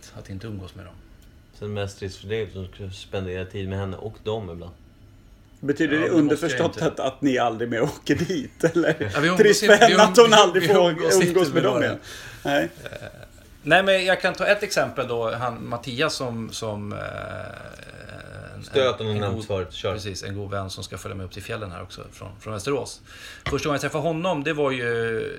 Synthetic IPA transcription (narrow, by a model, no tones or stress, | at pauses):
t̪at̪d̪ɛɪnt̪əɵmɡoːsmɛ̰d̪ɔ̰m | sɛnmɛst̪ʰɾɪssfəɖiɔmkspɛnd̪eːɾat̪ʰiːd̪mɛhɛnːə̰ʔɔkd̪ɔmɪbla̰nd̪ | bɛt̪ʰyːd̪əɛɵnd̪əɾfœʂʂɔt̪ːat̪a̰t̪nɪald̪ɾɪmɛoːkəɖiːt̪ɛlːəɾaɪɵɾɪɛnːəat̪hʊnnald̪ɾɪfɵmɡoːsmɛd̪ɔɪɛnnɛɪ | nɛɪmɛnjɑɡkʰant̪ʰɑːɛt̪ːɛksɛmpəld̪ɔɦanmat̪ʰiːasːɔmsɔm | ɛøːt̪ɔmɛfɾœpɾɛsiːsɛ̰nɡuːd̪vɛnːsɔmskafœljamɛjɵpːt̪ʰɪlfjɛlːənhæ̰ɾɔksɔ̰fɾɔ̰nfɾɔnvɛst̪əɾoːs | fœʂʈaɡɔŋjat̪ʰɾɛfːaɾɦɔnːɔmd̪ɛvaɾjɵ